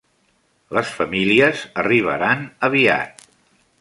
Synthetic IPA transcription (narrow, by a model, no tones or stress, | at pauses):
ləsfəmiliəzəriβ̞ə̰ɾanəβ̞ia̰t̪̚